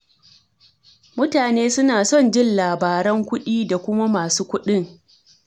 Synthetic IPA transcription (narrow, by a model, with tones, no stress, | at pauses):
mʊ˦taː˨neː˦sʊ˦naː˨sɔ˦˨nd͡ʒɪ˦nlaː˨baː˨ɾɐ˦ŋkʷʊ˦ɗiː˦da˨kʷʊ˦ma˦maː˨suː˦kʷʊ˦ɗɪ˦ŋ